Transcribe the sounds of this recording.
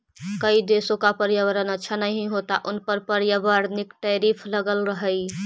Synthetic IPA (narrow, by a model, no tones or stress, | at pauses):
kəid̪esõkapəɾjəʋəɾənətːʃʰanəɦĩɦot̪aʔʊnpəɾpəɾjəʋəɾnikʈəɾipʰləɡəlɾəɦəj